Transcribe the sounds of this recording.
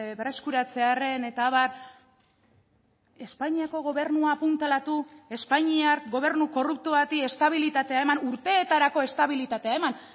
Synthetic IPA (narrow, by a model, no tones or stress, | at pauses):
bre̞skuɾat͡se̞are̞ne̞t̪aːβar | e̞spaɲiako̞ɣ̞o̞β̞e̞ɾnuaːpunt̪elat̪ue̞spaɲiaɾɡo̞β̞e̞ɾnuko̞rup̚t̪oβat̪ie̞st̪aβ̞ilit̪at̪e̞ae̞manuɾt̪e̞ːt̪aɾako̞e̞st̪aβilit̪at̪e̞aeman